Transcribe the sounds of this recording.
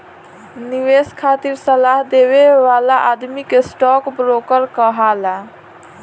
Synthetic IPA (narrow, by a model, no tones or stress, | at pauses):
niʋeskʰat̪iɾsəlaɦd̪eweʋalaʔad̪mikesʈɔkbɾokəɾkəɦala